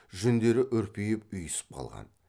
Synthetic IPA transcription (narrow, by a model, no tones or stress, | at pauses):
ʒɵnd̪e̞ɾɪʔɵɾpejɪp̚ʏjɪsɪ̥p̚qʰɑ̰lˠʁɑ̰n